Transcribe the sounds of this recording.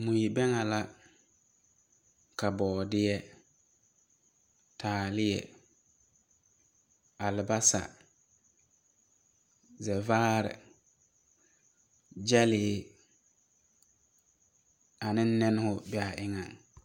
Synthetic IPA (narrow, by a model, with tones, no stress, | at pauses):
mʊ˨ji˨bɛ˦ŋa˨la˦ | ka˨bɔː˨dɪ˦jɛ˦ | tʰaː˨lɪ˦jɛ̰˨ | a˨lɪ˨ba˦sa̰˨ | zɛ˨vaː˦ɾɪ̰˨ | d͡ʒɛ˦lɪː˨˦ | a˨nɪ˦n̩˦nɛ˦nɪ˦hʊ˦bɛ˦˨a˨ʔɪ˦ŋa˨ŋ